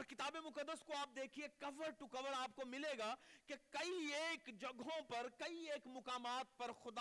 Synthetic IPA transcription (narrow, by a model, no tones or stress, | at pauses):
ɾkɪt̪aːbemʊkəd̪ːəskoaːp̚d̪eːkʰiekɐʋəɾʈukɐʋəɾaːp̚komɪleːɡaːkekɐieːkd͡ʒɐɡõpɐɾkɐieːkmʊkaːmaːt̪̚pɐɾxʊd̪